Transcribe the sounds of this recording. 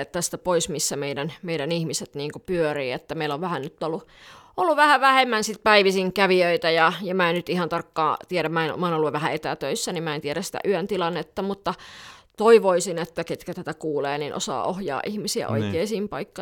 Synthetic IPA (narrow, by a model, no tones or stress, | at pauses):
et̪ːæst̪æpoismisːæmeidænmeidænihmiset̪niːŋkupyøriːet̪ːæmeiloʋʋæhænnyt̪ːolːu | olːuʋʋæhæʋæhemːænsit̪̚pæiʋisiŋkæʋiøit̪æjɑjɑmæennyt̪ihɑnt̪ɑrkːɑ̰ːt̪ieɾæmæenmɑenolːuʋʋæhæet̪æt̪øisːænimmæent̪iæɾæsi̥t̪æ̰ʔyønt̪ilɑnːet̪ːɑmut̪ːɑt̪oiʋoisinet̪ːæket̪kæt̪æt̪ækuːleːniːnʔo̰sɑ̰ːʔohjɑ̰ːʔihmisiæ̰ʔo̰ikeːsiːmpɑikːɑ